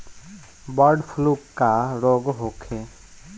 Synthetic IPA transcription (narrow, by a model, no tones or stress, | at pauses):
bɔɾɖpʰlukːaɾɔɡɦokʰe